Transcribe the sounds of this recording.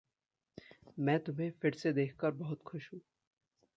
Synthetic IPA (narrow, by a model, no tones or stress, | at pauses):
mɛ̃ːt̪ʊmɦẽfʰɪɾsed̪eːkʰkəɾbɐɦʊt̪xʊʃɦũː